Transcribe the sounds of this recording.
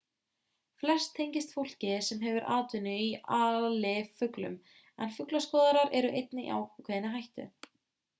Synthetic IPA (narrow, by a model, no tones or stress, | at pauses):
flɛr̥st̪ʰːejɲcɪst̪fowl̥cɪsɛmɦɛvʏɾʔaːt̪ʏnʏiaːlɪfʏklʏ̰m | ɛnfʏklaskɔːðaɾaɾɛɾʏʔejt̪nɪʔa̰ːwkʰvɛːðɪnɪɦajht̪ʏ̰